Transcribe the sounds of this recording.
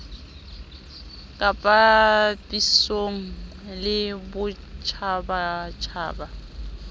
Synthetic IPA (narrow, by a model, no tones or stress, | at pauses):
kʼapʼatʼisoŋ̩ | lɪbʊ | t͡ʃʰabat͡ʃʰa̰ːba